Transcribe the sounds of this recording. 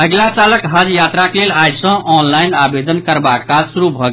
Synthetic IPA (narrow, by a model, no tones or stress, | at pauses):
əɡlat͡ʃaləkɦəd͡ʒjat̪ɾaklelajsə̃ʔɔnlajnabed̪ənkəɾbakːasuɾubʱəɡ